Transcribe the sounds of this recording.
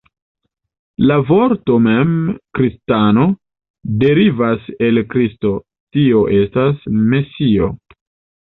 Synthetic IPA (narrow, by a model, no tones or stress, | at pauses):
lavo̞ɾto̞me̞mkɾistano̞ | de̞ɾivase̞lkɾisto̞ | tio̞ʔe̞stasme̞sio̞